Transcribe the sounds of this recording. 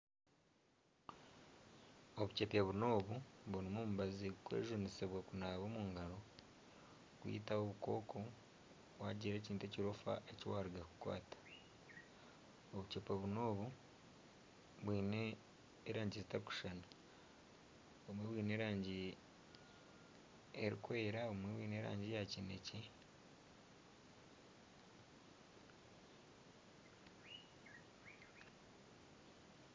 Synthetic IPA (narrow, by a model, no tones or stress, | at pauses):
o̞βuce̞peβuno̞ːβuβuɾimomuβazikwḛːʒoniseβwakunaːβo̞ːmuːŋɡaɾo̞ | kwḭːtawoβuko̞̰ːkʰo̞ | βwaːɟiɾe̞ːciːnteciɾofa̰ʔeciwaːɾiɡaku̥kwa̰ːtḁ | oβucepeβuno̞ːβu | βwiːne | eɾaːɲɟizitaku̥ʃana | omweβwiːneːɾaːɲɟi | eɾḭkweːɾaomweβwiːneːɾa̰ːɲɟijacinece